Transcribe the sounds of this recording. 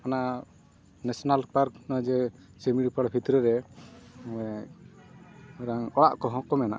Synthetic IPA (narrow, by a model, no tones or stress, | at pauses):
ana | nɛsɔnalpaɾknɔjd͡ʒɛ | sɛmiɽpəɽbʰʱit̪ɾɛɾɛ | ɛ | ɛɾaŋɔɽa̰ʔkɔɦɔ̃kɔmɛna̰ʔ